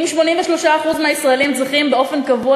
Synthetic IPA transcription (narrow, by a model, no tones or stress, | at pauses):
mʃmo̞nimveʃlo̞ʃaːχuzmeaisʁaelimzʁiχimbeo̞fe̞nkavua